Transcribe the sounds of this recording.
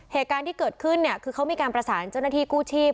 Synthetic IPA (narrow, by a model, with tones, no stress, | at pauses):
heː˨˩t̪̚kaː˧nt̪ʰiː˥˩kɤː˨˩t̪̚kʰɯ˥˩nːi˥˩ɐkʰɯː˧kʰa˦˥wmiː˧kaː˧npɾa˧saː˩˦nt͡ɕa˥˩wna˥t̪ʰiː˥˩kuː˥˩t͡ɕʰiː˥˩p̚